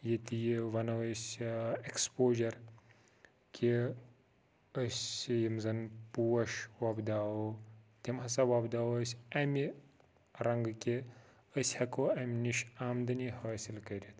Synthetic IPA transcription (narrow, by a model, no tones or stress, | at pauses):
jet̪ijiʋɐnɐʋɐsʲekspoːʒɐɾ | kʲʰe | əsʲjimzɐnpuːɐʃʋaːbd̪aːot̪ʲimɦɐsɐʋaːbd̪aːwɐsʲɐmi | ɾɐŋɡkʲe | əsʲhɐkoːɐmʲniʃaːmd̪ɐnihaːsilkɐɾʲit̪ʰ